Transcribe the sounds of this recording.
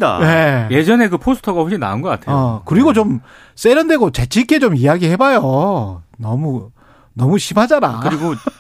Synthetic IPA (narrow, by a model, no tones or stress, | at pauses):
da̰ne̞je̞d͡ʑʌne̞kɯpʰosʰɯ̥tʰʌɡaɦoɕʰina̰ɯnɡʌk͈atʰeʌokɯɾiɡot͡ɕom | s͈eɾʌnde̞ɡot͡ɕe̞t͡ɕʰik͈e̞t͡ɕomijaɡihe̞bajo | nʌmu | nʌmuɕʰimad͡ʑana̰kɯɾiɡo